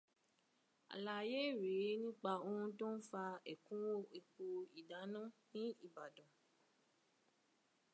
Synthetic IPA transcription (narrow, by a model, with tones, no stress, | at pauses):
a̰˨la˨je˦˨ɾe˨˦nĩ˦k͡pa˧o˧hũ˧to˦n̩˦fa˧ɛ˨kũ˨˦wo˦e˨k͡po˧i˨da˨˦nã˦nĩ˦i˦˨ba˨dɔ̃˨